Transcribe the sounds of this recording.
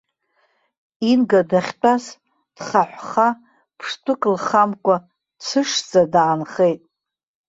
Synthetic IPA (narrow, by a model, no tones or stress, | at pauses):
inɡadaχʲtʰʼas | d̥χaħʷχa | pʰʂtʷʰʼɨkʼlχamkʷʼa | t͡sʷʰɨʂd͡zʼadaːnχejtʼ